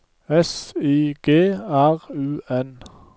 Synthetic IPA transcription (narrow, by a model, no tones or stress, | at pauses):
ɛsiːɡ̥eːæʁʉːɛn